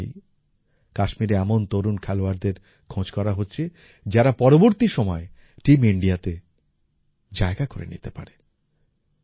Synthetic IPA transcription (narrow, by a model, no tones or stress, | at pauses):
j | kaʃmiɾeɛmont̪oɾunkʰɛloaɾd̪eɾ | kʰõd͡ʑkɔɾaɦotːɕʰe | d͡ʑaɾapɔɾoboɾt̪iʃɔmɔe | ʈimiɳɖiat̪e | d͡ʑaeɡakoɾḛnḭt̪epa̰ɾe